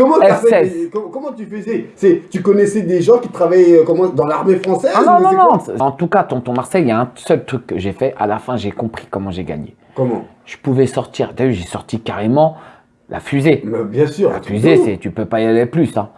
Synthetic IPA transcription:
kɔmɑ̃ɛɛkɔ̃kɔmɑ̃t̪yfəzɛsɛt̪ykɔnɛsɛd̪eʒɑ̃kʲit̪χavajøkɔmɑ̃d̪ɑ̃laʁmefχɑ̃sɛnɔ̃nɔ̃nɔ̃ɑ̃t̪ukat̪ɔ̃t̪ɔ̃maʁsɛjjaɛ̃sœlt̪χykːəʒefɛʔa̰lafɛ̃ʒekɔ̃pχi̥kɔmɑ̃ʒeɡa̰ɲḛ | kɔmɑ̰̃ | ʒ̥ə̥puvɛsɔʁt̪iʁd̪ajœʁʒɛsɔʁt̪ikaʁemɑ̃ | lʔa̰fyzemɛbjɛ̃syʁla̰fyzesɛt̪ypøpajaleplysɛ̃

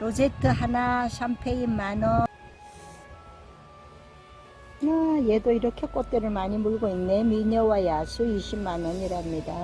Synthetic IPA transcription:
ɾod͡ʑetʰɯɦanaɕʰampʰeimːanʌ | najedoiɾʌkʰe̞k͈ot̚t͈eɾɯɭmaɲimuɭɡoinːemiɲʌwajasʰuiɕʰibmanʌɲiɾaɦamɲida

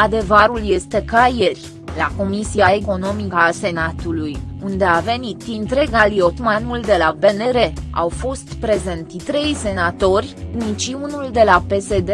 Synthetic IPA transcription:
ad̪e̞vaɾulje̞st̪e̞kaje̞rʲ | lako̞misiae̞ko̞no̞mikəːse̞nat̪ulujund̪e̞ave̞nit̪int̪ɾe̞ɡalio̞t̪manuld̪e̞labe̞ne̞ɾe̞a̰wfo̞st̪pɾe̞ze̞nt̪it̪ɾe̞jse̞nat̪o̞rʲnit͡ʃiunuld̪e̞lape̞se̞d̪e

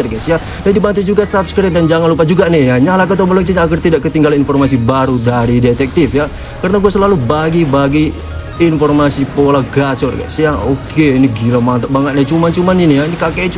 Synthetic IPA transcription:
ərɡasia | dadibant̪ud͡ʒuɡasabskɾɪt̪̚dand͡ʒaŋanlup̬ad͡ʒuɡanɛjaɲalak̬ət̪obəlɔŋt͡ʃ̬iɲaːkərt̪idaʔkət̪iŋɡalaninfɔrmas̬ibaɾudaɾidet̪ɛk̚t̪ifja | kaɾənaɡuasəlalubaɡibaɡiː | nfɔrmasipolaɡat͡ʃɔrɡa̰sijaokʰeiniɡilamant̪abaŋət̪̚nɛt͡ʃumant͡ʃumaninijainikaket͡ʃ

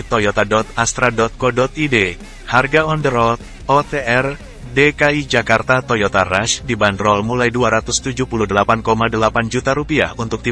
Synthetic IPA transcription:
t̪ɔjɔt̪adɔt̪ast̪ɾadɔt̪̚kɔdɔt̪ide | harɡaɔndəɾɔt̪̚ | ɔt̪eɛr | dekaid͡ʒakart̪at̪ojɔt̪araʃdibandɾɔlmulajduaɾat̪ʊst̪ud͡ʒuhpuluhdəlapankomadəlapand͡ʒut̪aɾupia̰hunt̪ʊk̚t̪i

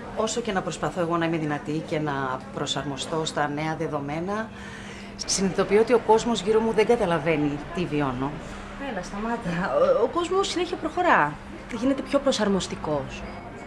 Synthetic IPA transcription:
o̞soce̞nɐpɾo̞spɐθo̞e̞ɣo̞nɐimeðinɐt̪ice̞nɐpɾo̞sɐɾmo̞st̪o̞st̪ɐne̞ɐðe̞ðo̞me̞nɐ | sinðit̪o̞piot̪io̞ko̞zmo̞zʝiɾo̞muðe̞ɡɐt̪ɐlɐve̞nit̪iviono | enɐst̪ɐmɐt̪ɐoko̞zmosːine̞çiopɾo̞xo̞ɾɐ | ʝine̞t̪e̞pço̞pɾo̞sɐɾmo̞st̪iko̞s

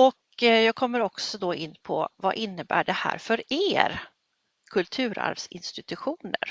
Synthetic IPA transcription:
ɔk | jɑːɡ̚kʰɔmːəɾɔksɔd̪ɔɪnːpʰɔva̰ʔɪnːəbæːɖɛhæ̰ːɾfœɾeːɾ | kʰɵlt̪ʰʉ̟ːɾa̰ɾvsɪ̰nst̪ɪt̪ɵɧuːnə̰ɾ

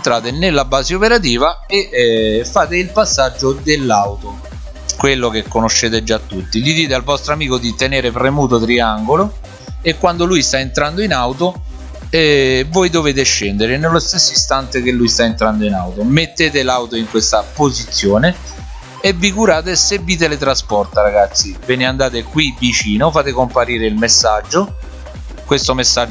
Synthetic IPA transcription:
nt̪ɾaːt̪enelːabaːzeopeɾat̪̬iːva | efːaːt̪eilpasːad͡ʒːod̪elːawt̪o | kwelːok̟ekːonoʃːeːt̪ed͡ʒat̪ːut̪ːilid̪iːt̪ealvɔst̪ɾoamiːkod̪it̪eneːɾepɾemuːt̪̬ot̪ɾiaŋɡolo | ekːwand̪olujst̪aent̪ɾand̪oinawt̪o | ɛvojd̪oveːt̪̬eʃːɛnd̪eɾenelːost̪esːoist̪ant̪ek̟elːujst̪aent̪ɾand̪oinawt̪omet̪ːeːt̪elawt̪oiŋkwest̪apozit̪sːjoːneː | vːikuɾaːt̪esebːiːt̪̬elet̪ɾaspɔrt̪aɾaɡat̪sːivɛːneand̪aːt̪ekwivit͡ʃiːnofaːt̪ekompaɾiːɾeilmesːad͡ʒːo | kwest̪omesːad͡ʒ

